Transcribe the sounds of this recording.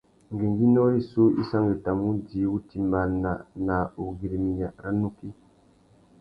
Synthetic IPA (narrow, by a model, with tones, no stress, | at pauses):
ŋɡi˨ŋɡi˦nɔ˦ɾi˦su˦ḭ˦sa˦ŋɡe˨ta˨mu˦ndi˨˦wu˦ti˨mba˨na˨na˨u˨ɡi˨ɾe˨mi˨n˨a˨ɾa˦nu˦ki˦